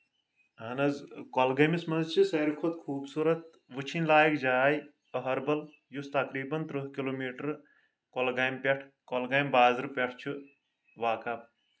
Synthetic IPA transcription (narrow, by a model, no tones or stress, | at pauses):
ɦɐnɐzkolɡɐmismɐnzt͡ʃʰisɐjɾkʰot̪kʰuːbsuːɾɐt̪ | ʋɨt͡ʃʰinlaːjikd͡ʒaːj | ɐɦɐɾbɐl | just̪ɐkɾiːbɐnt̪ɾɨɦkiloːmiːʈɐɾ | kolɡaːjmpʲeʈʰkolɡɐjmbaːzɨɾpʲɐʈʰt͡ʃʰu | ʋaːkaː